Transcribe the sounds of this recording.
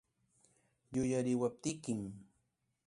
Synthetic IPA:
jʊjaɾɪwap̚t̪ɪkɪm

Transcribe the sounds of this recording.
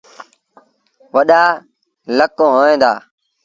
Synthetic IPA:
ʋəɗaː | ləkːõːɦoːẽːd̪a̰ː

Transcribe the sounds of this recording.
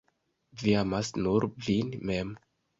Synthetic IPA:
viamasnuɾvinmem

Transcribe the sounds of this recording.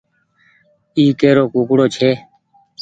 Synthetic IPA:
iːkeːɾoːkuːkɽoːt͡ʃʰeː

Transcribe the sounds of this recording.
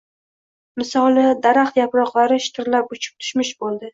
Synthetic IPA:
mɪsɒlˠnɪd̪aɾaχt̪japɾɒqlˠaɾɪʃɪ̥t̪ʰɪɾlapʊt͡ʃʰɪ̥p̚t̪ʰʊ̥ʃmɪʃbolˠd̪ɪ

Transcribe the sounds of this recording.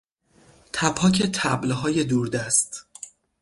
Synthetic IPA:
t̪ʰæpʰɒːcʰet̪ʰæblɦɒːje̞d̪uːɾd̪æst̪

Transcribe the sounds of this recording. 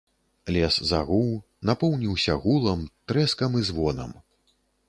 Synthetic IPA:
lʲɛsza̰ɣuw | napɔwnʲiwsʲɐɣulˠɐmt̪ɾɛskɐmizvɔnɐ̰m

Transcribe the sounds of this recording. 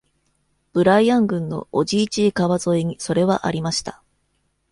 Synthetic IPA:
b̥ɯ̟ɾaiãŋɡɯ̟̃nːo̞̰oʑiːt͡ɕiːkaβazo̞iɲ̟iso̞ɾe̞βaʔa̰ɾʲimaɕi̥t̪ḁ

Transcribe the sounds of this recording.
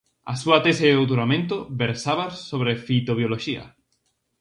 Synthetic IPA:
a̰suat̪eseðowt̪̬uɾamẽnt̪obeɾsaβasoβɾefit̪oβ̞joloʃia̰

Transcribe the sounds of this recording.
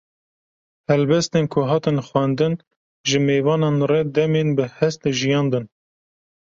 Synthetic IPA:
hɛlbɛst̪enkʰʊɦɑːt̪ɨnxʷwænd̪ɨn | ʒɨmeːvɑːnɑnrɛd̪ɛmeːnbɨhɛst̪ʒijɑːnd̪ɨn

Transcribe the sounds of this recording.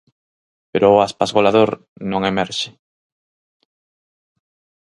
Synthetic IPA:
peɾʊːaspazɣolaðoɾ | nõŋemɛɾʃɪ̥

